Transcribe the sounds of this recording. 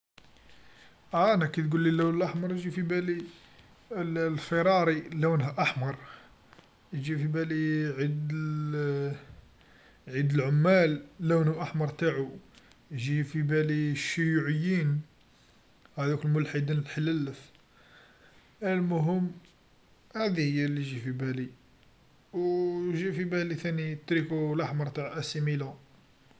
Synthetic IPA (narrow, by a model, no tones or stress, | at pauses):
ʔæʔænækæt̪ɡulːilːæwnəlʔaħmɑɾˤʒifibæli | llfiɾˤɑɾˤilæwnhæʔaħmɑɾˤ | ʒifibæliʕid̪ | ʕid̪əlʕʊmːælːæwnuʔaħmɑɾˤt̪aʕu | ʒifibæliʃːijuʕəjːin | hæd̪ukəlmʊlħid̪inəlħələlːəf | ælmʊɦəmː | hæd̪ihəjːælːiʒifibæli | wʒifibælit̪ænit̪ɾikulʔaħmɑɾˤt̪aʕʔæsimilu